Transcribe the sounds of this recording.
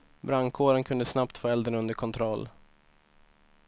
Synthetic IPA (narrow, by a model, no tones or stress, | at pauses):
bɾaŋkʰoːɾənkʰɵnd̪əsnap̚t̪foːɛld̪əɳɵnd̪əɾkʰɔnt̪ʰɾɔlː